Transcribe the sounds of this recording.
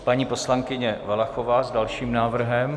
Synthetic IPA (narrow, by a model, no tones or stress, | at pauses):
paɲiːpo̞slaŋkɪɲɛvalaxovaːzdalʃiːmnaːvr̩ɦɛm